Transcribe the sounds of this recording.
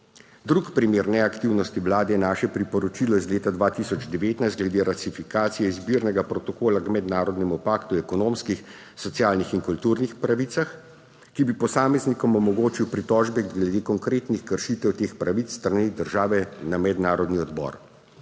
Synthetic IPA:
d̪ɾukpɾimeːɾnɛakt̪iwnɔst̪iʋlaːd̪ɛjɛnaːʃɛpɾipɔɾɔt͡ʃilɔizleːt̪ad̪ʋaːt̪isɔd͡ʒd̪ɛʋeːt̪najst̪̚ɡlɛd̪eːɾasifikaːt̪sijɛizbiːɾnɛɡapɾɔt̪ɔkoːlaɡmɛd̪naːɾɔd̪nɛmupaːkt̪uɛkɔnoːmskix | sɔt̪sjaːlnixinkult̪uɾnixpɾaʋit̪sax | kibipɔsaːmɛznikɔmɔmɔɡoːt͡ʃiwpɾit̪ɔʒbɛɡlɛd̪eːkɔŋkɾeːt̪nixkəɾʃit̪ɛwt̪eːxpɾaʋit̪sst̪ɾanid̪əɾʒaːʋɛnamɛd̪naːɾɔd̪niɔd̪bɔ̰ɾ

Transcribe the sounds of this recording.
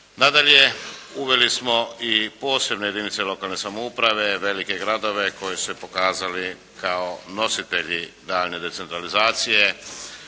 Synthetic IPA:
nad̪aʎe̞uʋe̞lismo̞ipo̞ːse̞bno̞jeinit̪selo̞kalˠne̞samoupɾaʋe̞ʋe̞like̞ɡɾad̪o̞ʋe̞ko̞jisu̥sepo̞kaːzali | kaono̞sit̪e̞ʎid̪aːʎne̞d̪e̞t̪set̪ɾalizaːt̪sije̞

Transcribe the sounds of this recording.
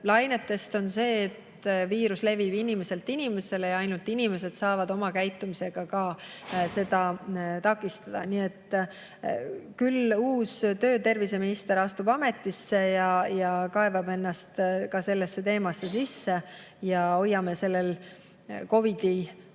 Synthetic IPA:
lɑjnet̪ːˑe̞st̪o̞nse̞ːt̪ | viːɾusle̞vibinime̞se̞lt̪ːinʲime̞se̞lejɑɑjnult̪ːinime̞se̞d̪̥sɑːvɑd̪̥o̞mɑkæjt̪ːˑumise̞ɡ̥ɑkɑse̞d̪̥ɑt̪ɑkːˑist̪ɑd̪̥ɑ̰niet̪ːˑ | kyluːst̪ø̞ːt̪e̞rvise̞minist̪e̞ɾɑst̪ubɑme̞t̪ːˑisːe̞jɑjɑkɑe̞vɑbe̞nːɑst̪kɑse̞lːesːe̞t̪e̞ːmɑsːe̞sisːe̞ | jɑo̞jːɑmese̞lːe̞l | ko̞vid̪̥i

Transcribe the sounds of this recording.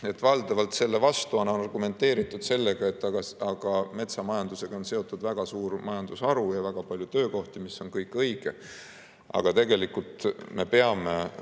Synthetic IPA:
e̞t̪ːˑvɑld̪ɑvɑlt̪se̞lːe̞vɑst̪uɑnɑonɑrɡume̞nt̪ːe̞ːɾit̪ˑːud̪̥se̞lːe̞ɡ̥ɑe̞t̪ːˑɑɡ̥ɑɑɡ̥ɑme̞t̪sɑmɑjɑnd̪use̞ɡ̥ɑonse̞o̞t̪ːˑud̪̥væɡ̥ɑsuːrmɑjɑnd̪̥usɑɾujɑvæɡ̥ɑpɑlʲjut̪ø̞ːko̞ht̪imisːo̞nkɤjkːˑɤjɡ̥e̞ | ʔɑ̰ɡ̥ɑt̪e̞ɡe̞likult̪ˑme̞pe̞ɑme̞

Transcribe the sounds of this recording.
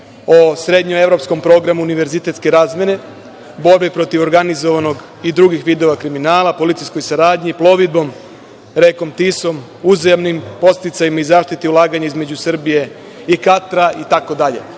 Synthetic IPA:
osɾe̞d̪ɲoe̞vɾo̞psko̞mpɾo̞ːɡɾamuuniʋe̞ɾzit̪et̪ske̞ɾaːzmʲjene̞ | bo̞ɾbipɾo̞t̪iʋo̞ɾɡanizo̞ʋano̞ɡ | id̪ɾuɡixʋiːd̪o̞ʋakɾiminaːlˠapo̞lit̪sijsko̞jsaɾaːd̪ɲiplˠo̞ʋid̪̚bo̞m | ɾe̞ko̞mt̪iso̞m | uzjamnimpo̞t̪st̪it̪sajimaizaːʃt̪it̪iulˠaːɡaɲaizme̞d͡ʑusr̩bije̞ | ikat̪ɾait̪ako̞d̪aʎe̞̰

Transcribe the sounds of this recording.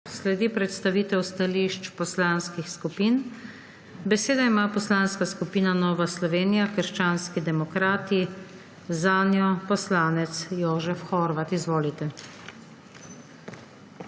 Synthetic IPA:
slɛd̪iːpɾɛt̪st̪aʋiːt̪ɛwst̪aliːʃt͡ʃpɔslaːnskixskupiːn | bɛseːd̪aimapɔslaːnskaskupiːnanɔːʋaslɔʋeːnijakəɾʃt͡ʃaːnskid̪ɛmɔkɾaːt̪i | zaːnjɔpɔslaːnɛt̪sjoːʒɛfxɔɾʋat̪izʋoːlit̪ɛ

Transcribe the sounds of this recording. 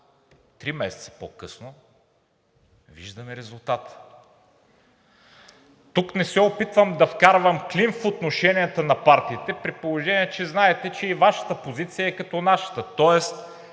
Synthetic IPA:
t̪ɾimɛsɛ̥t̪sɐ̥pokɤsno | vḭʒd̪ɐmɛɾɛzʊlˠt̪at̪ | t̪uknɛsɛopit̪vəmd̪ɐfkaɾvɐmklinfot̪noʃɛnijət̪ənɐpaɾt̪iːt̪ɛpɾipolˠoʒɛniɛt͡ʃɛznaɛt̪ɛt͡ʃɛivaʃɐ̥t̪əpozit̪sijəɛkɐt̪ɔnaʃɐ̥t̪ət̪ɔɛst̪

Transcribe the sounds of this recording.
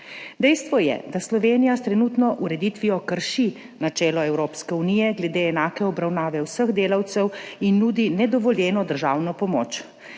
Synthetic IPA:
d̪ɛjst̪ʋɔjɛ̰d̪aslɔʋeːnijast̪ɾɛnuːt̪nɔʔuɾɛd̪it̪ʋijɔkəɾʃi | nat͡ʃɛːlɔɛwɾoːpskɛunijɛɡlɛd̪eːnaːkɛɔbɾawnaːʋɛwsəɣd̪eːlawt̪sɛwinːuːd̪inɛd̪ɔʋɔljɛːnɔd̪əɾʒaːwnɔpɔmo̰ːt͡ʃ

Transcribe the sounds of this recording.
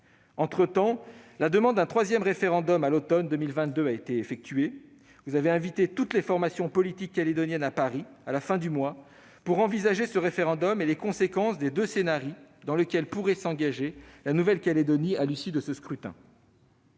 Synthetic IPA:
ɑ̃t̪χət̪ɑ̃lad̪əmɑ̃d̪̚d̪ɛ̃t̪χwazjɛmʁefeʁɑ̃d̪ɔmalot̪ɔnd̪ømilvɛ̃t̪̚d̪øaet̪eːfɛk̚t̪ɥe | vuzaveɛ̃vit̪et̪ut̪lefɔʁmasjɔ̃pɔlit̪ikːaled̪ɔnjɛnapaʁialafɛ̃d̪ymwa | puʁɑ̃vizaʒesəʁefeʁɑ̃d̪ɔmelekɔ̃sekɑ̃sd̪ed̪øsenaʁid̪ɑ̃ləkʲɛlpuʁɛsɑ̃ɡʲaʒelanuvɛlkʲaled̪ɔnialysid̪əsəskχyt̪ɛ̰̃

